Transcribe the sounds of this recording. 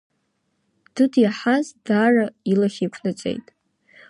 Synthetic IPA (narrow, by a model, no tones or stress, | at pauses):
d̥ɨdjaħazdaːrailaχʲikʷʰnɨt͡sʼe̞̰jtʼ